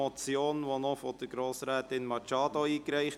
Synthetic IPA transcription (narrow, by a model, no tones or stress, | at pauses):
ɔt͡sjoːnnʋonɔfod̥əɡ̥ɾoːsɾɛːt̪ɪnmɑt͡ʃɑːdoiːkɾɛɪχ